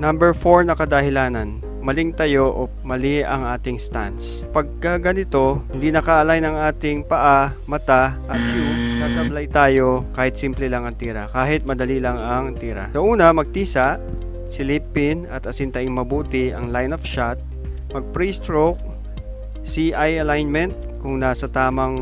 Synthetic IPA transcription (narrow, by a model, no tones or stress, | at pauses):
nɐmbɛɹfo̞ɹnɐkɐd̪ɐhɪlaːnɐn | mɐlɪŋt̪ɐjo̞ʔo | mɐliʔɐŋaːt̪ɪŋst̪ant̪s | pɐɡ̚kɐɡɐnɪt̪o̞hɪnd̪inɐkaʔɐlajnɐŋʔaːt̪ɪŋpɐʔamɐt̪aʔɐt̪̚ːɪsasɐblajt̪aːjo̞kaːhɪt̪̚simplɛlɐŋɐŋt̪iːɾɐkaːɦɪt̪̚mɐd̪ɐlilɐŋɐŋt̪iːɾɐ̰sɐʔuːnɐmɐɡ̚t̪iːsaʔ | sɪliːpɪnɐt̪ɐsɪnt̪ɐʔɪŋmɐbuːt̪ɪʔɐ̰ŋlajnofʃat̪̚ | mɐɡ̚pɾist̪ɹok̚ | siʔajɐlajnmɛnt̪̚kʊŋnaːsɐt̪aːmɐŋ